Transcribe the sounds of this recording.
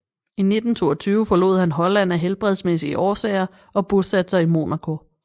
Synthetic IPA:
ine̝d̥n̩t͡sʰo̝̰ːɒt͡sʰyːʊəfɒ̽lo̝̰ðˠhænɦɒ̽læn̰æɦelb̥ʁɛð̞ˠsmesiʔɒːsɛ̰ɪɐ | ɒ̽b̥osæd̥ə̥sɑ̈imo̝̰ːnækʰo̝

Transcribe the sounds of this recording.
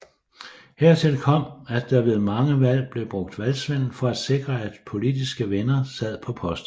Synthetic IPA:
heɐt͡sʰe̝lkʰɒ̽m̰æd̥ɑ̈ʋe̝ð̩ˠmɑ̈ŋəʋæl̰b̥le̝b̥ʁɔ̽ɡ̥̚d̥ʋælsʋen̰l̩fɒ̽æd̥se̝ɡ̥ʁɐæd̥pʰo̝lid̥isɡ̥əʋenɐsæð̰ˠpʰɒ̽pʰɒ̽sd̥

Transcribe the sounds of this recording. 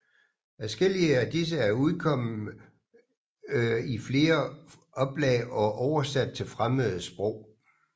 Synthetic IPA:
æsɡ̥el̰iəæd̥is̬əæɐuðˠkʰɒ̽m̰̩ | ifle̝ːɐ | ʔɒ̽b̥lɛːɪʔɒ̽ʔɒʊɐsæd̥̚t͡sʰe̝lfʁaməð̩ˠəsb̥ʁɔʊ̰

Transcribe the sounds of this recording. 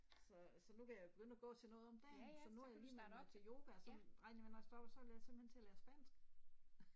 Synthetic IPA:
sɒ̽sɒ̽nukʰæjɑ̈job̥eɡ̥ønəæɡ̥ɔ̰̽ːt͡sʰe̝lnɔ̽ːðˠɒ̽md̥eɒ̽nuhɑjaismeɑt͡sʰe̝jo̝ːb̥ʰæsɒʁɑ̈ɪ̰njʋenɑ̈ɪsd̥ɒb̥sɒ̽ʋeljase̝mb̥l̩hent͡sʰe̝ælæːɐsb̥ɛːnsɡ̥

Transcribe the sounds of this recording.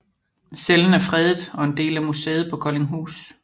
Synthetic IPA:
seln̩æɐfʁɛðˠð̩ˠɒ̽e̝nd̥e̝̰ːlæmuseːð̞̩ˠpʰɒ̽kʰɒ̽le̝ŋɦṵːs

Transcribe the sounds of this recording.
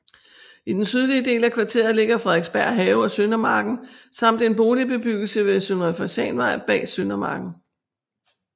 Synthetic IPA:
id̥ensyð̞ˠliəde̝̰ːlækʰʋɑ̈t͡sʰe̝̰ːɐð̩ˠle̝ɡ̥ɐfʁɛðˠeɡ̥sb̥æɐ̰ɦɛːʊɒ̽sønɐmɑ̈ːɡ̥n̩sɑ̈m̰d̥e̝nb̥o̝ːlib̥e̝b̥yɡ̥l̩səʋe̝sønʁɐfɒsɛ̰ːnʋɑ̈ɪ̰b̥ɛ̰ːsønɐmɑ̰̈ːɡ̥n̩

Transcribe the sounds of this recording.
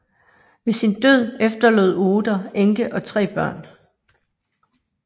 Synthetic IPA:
ʋe̝sind̥øð̰ˠefd̥ɐlø̰ːð̩̰ˠo̝ːd̥ɐeŋɡ̥əʔɒ̽t͡sʰʁɛ̰ːb̥ɶɐ̰n

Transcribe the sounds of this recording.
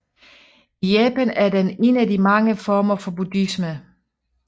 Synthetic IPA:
ijɛːpænæɐdene̝nædimɑ̈ŋəfɒːmɐfɒ̽b̥ud̥ismə

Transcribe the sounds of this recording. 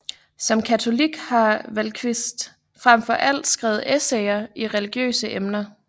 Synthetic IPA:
sɒ̽mkʰæt͡sʰo̝liɡ̥hɑ̈ʋælkʰʋisd̥ | fʁam̰fɒʔæl̰d̥sɡ̥ʁaʊð̩ˠeseɪɐiʁɛliɡ̥jø̰ːsəʔemnɐ

